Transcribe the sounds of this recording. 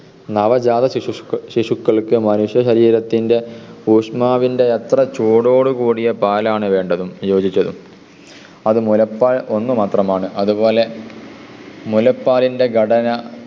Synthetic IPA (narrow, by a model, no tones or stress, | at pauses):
nɐʋɐd͡ʑaːðɐɕiʂukːɐɭkɨmɐnuʂjɐɕɐɾiːɾɐt̪ːinde̞uːʂmaːʋinde̞et̪rɐt͡ɕuːɽo̞ːɽɨkuːɽijɐpaːlaːɳɨʋe̞ːɳɖɐðumjo̞ːd͡ʑit͡ɕːɐðum | ɐðɨmulɐpːaːɭo̞nːumaːt̪rɐmaːɳɨʔɐðubo̞ːle̞ | mulɐpːaːlinde̞ɡʱɐɽɐnɐ